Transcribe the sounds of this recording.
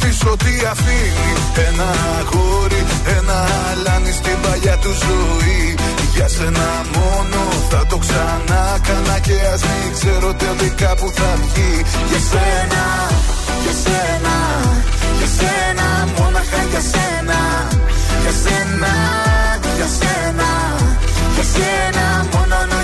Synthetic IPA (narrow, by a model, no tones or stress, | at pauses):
t̪iso̞t̪iɐft̪ini | e̞nɐ | ɣoɾi | enɐ | lɐnist̪ivɐʎɐt̪uzui | ʝɐse̞nɐ | mo̞no̞ | θɐt̪o̞ksɐ | nɐkɐnɐceɐzmikseɾot̪eðikɐpuθɐfci | ʝɐsenɐ | ʝɐsenɐ | ʝɐse | nɐ | monoɐʝɐsenɐ | ʝɐsenɐ | ʝɐsenɐ | ʝɐse | nɐ | monon